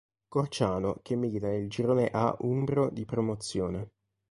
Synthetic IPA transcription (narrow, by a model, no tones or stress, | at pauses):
kort͡ʃaːnokemːiːlit̪aneld͡ʒiɾoːneʔa̰umbɾod̪ipɾomot̪sːjoːne